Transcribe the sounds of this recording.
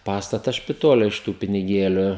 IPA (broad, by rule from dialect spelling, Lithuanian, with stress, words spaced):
ˈpɑːstɐtɐs ʃʲpʲɪtoːlʲɛ ɪʃ ˈtuː pʲɪnʲɪˈɡʲeːlʲʊ